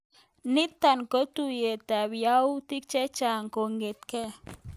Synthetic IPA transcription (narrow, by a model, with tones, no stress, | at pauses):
nɪ˦t̪ːa˨nko˦t̪u˦je˨t̪a˨bja˦wt̪i˦k̚t͡ʃɛ˦t͡ʃa˨ŋko˨ŋɡe˨t̪̚kɛ˦